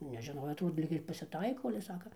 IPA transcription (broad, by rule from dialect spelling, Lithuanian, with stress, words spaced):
nʲɛʒʲɪˈnoːjoː ˈtuː ˈlʲiːk ɪr pɐsʲɪˈtɐɪkoː ɐlʲɛ ˈsɑːkɐ